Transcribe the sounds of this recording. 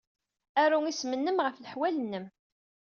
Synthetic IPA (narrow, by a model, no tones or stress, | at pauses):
æɾuŋismənːəmʁəfləħwælənːəm